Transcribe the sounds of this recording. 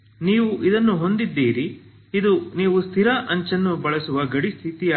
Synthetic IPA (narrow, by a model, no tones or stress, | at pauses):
niːʋuʔid̪ɐnːuɦo̞nd̪id̪ːiːɾi | id̪uniːʋust̪ʰiɾɐʔɐɲt͡ʃɐnːubɐɭɐsuʋɐɡɐɽist̪ʰit̪ia